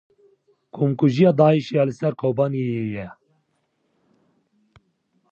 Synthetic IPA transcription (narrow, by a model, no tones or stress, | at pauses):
kʰumkuʒijɑːd̪ɑːiʃijɑːlɨsɛɾkʰoːbɑːniejɛ